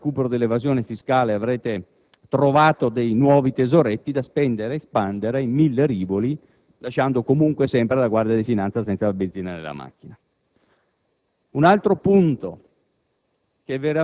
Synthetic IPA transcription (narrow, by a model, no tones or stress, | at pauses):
kuːpeɾod̪elːevazjoːnefiskaːleavɾeːt̪e | t̪ɾovaːt̪od̪ejnwɔːvit̪ezoɾet̪ːid̪aspɛnd̪eɾeːspand̪eɾeimːilːeɾiːboli | laʃːand̪okomuŋkwesɛmpɾelaɡward̪jad̪ifinant̪sasɛnt̪salabend̪ziːnanḛlːa̰ma̰kːina | unalt̪ɾopunt̪o | kɛvːeɾa